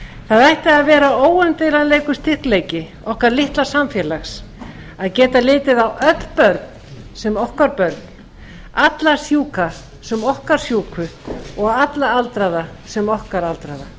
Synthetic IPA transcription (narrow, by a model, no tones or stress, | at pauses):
θaðajht̪ɪaðvɛːɾaoːwœnt̪ejlaleːjkʏst̪ʰɪhkleːjcɪ | ɔhkaɾlɪht̪lḁsamfjɛːlaxs | aðcɛːt̪alɪːt̪ɪðawʔœt̪l̥pœɾt̪n̥sɛmɔhkaɾpœɾt̪n̥ | at̪lasjuːka | sɛmɔhkaɾ̥sjuːkʰʏɔɣɣat̪laalt̪ɾaða | sɛmɔhkaɾalt̪ɾaða